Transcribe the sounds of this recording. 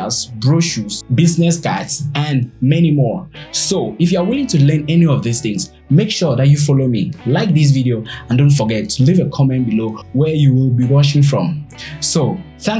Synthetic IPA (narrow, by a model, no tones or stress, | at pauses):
lsbɹoʃusbisnɛsɡadsə̃nmɛnimɔɹsoifjuawɪlɪ̃ŋtʰulɜ̃˞nɛniɔvðisθɪ̃ŋs | mekʃɔðatufɔlomḭlaɪk̚ðis̬viɾioãndõntfɔɡɛtʰulivəkʰɔmɛ̃ntbilowɛ˞juwilˠbiwɔʃɪ̃ŋfɹɔ̰̃mso | θæ̃ŋ